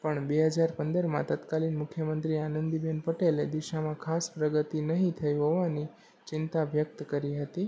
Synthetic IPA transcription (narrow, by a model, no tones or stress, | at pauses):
pəɳbeɦəd͡ʒaɾpənd̪əɾmã̰t̪at̪kalinmʊkʰjəmənt̪ɾianənd̪ibenpəʈeled̪iʃamãkʰaspɾəɡət̪inəɦĩt̪ʰəjɦoʋani | t͡ʃɪnt̪aʋjək̚t̪kəɾiɦət̪i